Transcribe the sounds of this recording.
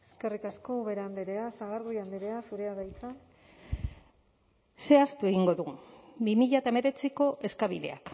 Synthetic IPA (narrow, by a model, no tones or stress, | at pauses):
eske̞rikasko̞βe̞ɾand̪eɾeasaɣaɾɣojand̪eɾeasuɾe̞aðajt͡sa | se̞ast̪ue̞ɣiŋɡo̞ðubimiʎaet̪aeme̞ɾe̞t͡siko̞ʔe̞skaβiðe̞̰a̰k